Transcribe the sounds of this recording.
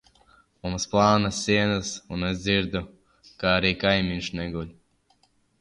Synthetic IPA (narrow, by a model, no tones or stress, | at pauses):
mumsplˠɑːnasʲːiɛnasunezʲd̪ziɾd̪u | kaaɾiːkajmʲinʃnɛɡulʲ